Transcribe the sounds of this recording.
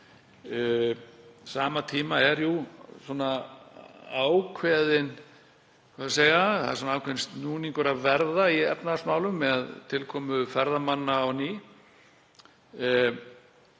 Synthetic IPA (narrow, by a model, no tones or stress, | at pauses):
saːmat̪ʰiːmaɛɾjusɔna | awkʰvɛːðɪn | kʰvaðs̬eːjaθa̰ðɪɾsɔnaawkʰvɛnst̪nuːnĩŋkʏɾaðvɛɾðaiɛpnasmaːwlʏmːɛðaðt̪ʰɪlkʰɔːmʏfɛɾðamanːaawniː